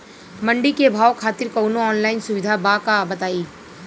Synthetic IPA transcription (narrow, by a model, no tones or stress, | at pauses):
mɐ̃ɳɖikebʱaːwkʰaːt̪ɪɾkɐwnõɔːnlaːɪnsʊʋɪd̪ʱabakabɐt̪aːiː